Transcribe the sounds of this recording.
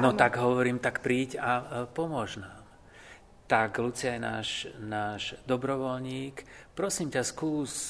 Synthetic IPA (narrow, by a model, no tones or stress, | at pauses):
nɔt̪aɡɦɔʋɔɾiːmt̪akpɾiːɟapɔmʊɔʒnaːm | t̪aɡlut͡sɪajɛna̰ːʒnaːʒd̪ɔbɾɔʋɔlɲiːkpɾɔsiːmcaskuːs